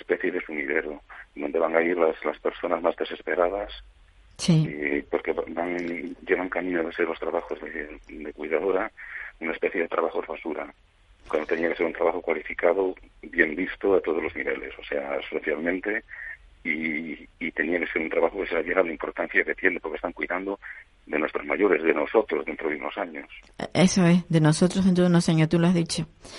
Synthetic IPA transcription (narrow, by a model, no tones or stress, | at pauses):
espeθjeðe̞fumiðeɾod̪o̞nd̪e̞βaŋaiɾlaslaspe̞ɾso̞nazmazðe̞se̞spe̞ɾað̞as | siepo̞ɾkeβabaŋɟ͡ʝeɣaŋkamĩnoðe̞seɾlo̞st̪ɾaβaxozðed̪e̞kwijðað̞oɾaunae̞speθjeðe̞t̪ɾaβaxoðeβasuɾa | kwand̪ot̪eniake̞seɾunt̪ɾaβaxokwalifikaðobje̞mbist̪oat̪o̞ðozlo̞zniβe̞̰le̞̰sose̞aespeθjalmẽnt̪eiː | t̪e̞niake̞seɾunt̪ɾaβaxokeseaβjeɾalaimpo̞ɾt̪an̟θjaket̪jenepoɾkest̪aŋkwuiðand̪o | ðenwest̪ɾozmajo̞ɾe̞zðenoso̞t̪ɾozðent̪ɾoðunosaɲos | esoeðenosot̪ɾozðent̪ɾonosaɲot̪uloazðit͡ʃo